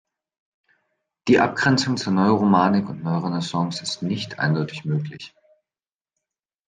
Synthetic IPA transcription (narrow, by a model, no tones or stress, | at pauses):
d̥iːʔap̚ɡ̥ʁɛnt͡sʊŋt͡suːɐnɔʏoʁomaːnɪkʊntnɔʏʁonəsɔŋsɪstnɪçtʔa̰ɪndɔʏtɪçmøːklɪç